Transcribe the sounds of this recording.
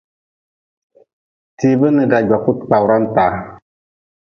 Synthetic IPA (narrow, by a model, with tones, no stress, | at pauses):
ti˨bɨ˦nɨ˨ɡa˨d͡ʒwa˨ku˦t̚k͡pa˨wɾa˦n˦taː˨˦